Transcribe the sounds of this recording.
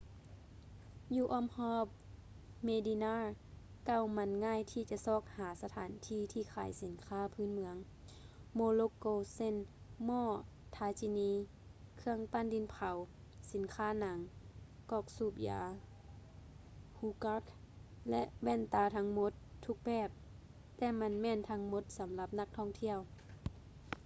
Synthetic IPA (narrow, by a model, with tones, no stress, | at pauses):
juː˧ʔɔː˧˨mhɔː˧˥˩p̚ | meː˧di˧naː˧˥˨ | ka˧˩˨wma˧˥nŋaː˧˥˨jt̪ʰiː˧˨t͡ɕa˧˦sɔː˧˩k̚haː˨˩˦sa˧t̪ʰaː˨˦nt̪ʰiː˧˥˨t̪ʰiː˧˨kʰaː˨˦jsi˨˦nkʰaː˧˥˨pʰɯː˧˥˨nmɯ˧əŋ | moː˧lo˧koː˧˨se˧˨nmɔː˧˩ | t̪ʰaː˨˧˥t͡ɕi˧niː˧ | kʰɯ˧əŋpaː˧˨ndi˧˥npʰa˨˦w | si˨˦nkʰaː˧˥˨na˨˦ŋkɔː˧˩k̚suː˧˩p̚ja̰ː˨˦ | huː˧˦ka˧˥k | lɛ˧ʔwɛː˧˩nt̪aː˧t̪ʰa˧˥ŋmo˧˦t̪ʰːu˧k̚bɛː˧˩p̚ | t̪ɛː˧ma˧˥nmɛː˧˨nt̪ʰa˧˥ŋmo˧˦t̪̚sa˨˦mla˧p̚na˧˥k̚t̪ʰɔː˧˩˨ŋt̪ʰi˧˥˨əw